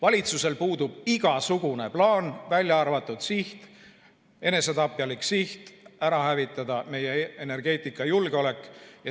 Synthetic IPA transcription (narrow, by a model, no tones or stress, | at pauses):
vɑlʲit̪suse̞lpuːd̪ub̥iɡ̥ɑsuɡ̥une̞plɑːnvælʲjɑɑrvɑt̪ːˑud̪̥siht̪ | e̞ne̞set̪ɑpːˑjɑliksiht̪æɾɑhævit̪ːˑɑd̪ɑme̞jeene̞rɡ̥e̞ːt̪ːˑikːˑɑjulɡ̥eo̞le̞kˑːjɑ